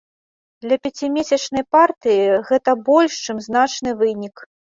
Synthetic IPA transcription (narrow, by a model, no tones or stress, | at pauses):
d̪lʲɐpʲɛt͡sʲimʲesʲɐt͡ʂnɐjpart̪ɨjiɣɛt̪ɐbɔlʲʂt͡ʂɨmzn̪at͡ʂnɨvɨnʲik